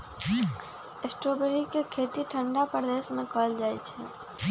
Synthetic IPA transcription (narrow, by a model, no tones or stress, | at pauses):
esʈɾoːbeɾikekʰeːt̪iʈʰə̃ɳɖapəɾd̪eːsmẽkɔːld͡ʒaːit͡ʃʰɛ̰̃ː